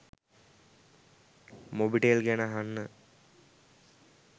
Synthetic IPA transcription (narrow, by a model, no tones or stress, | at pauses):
mobiʈelɡænəɦanːə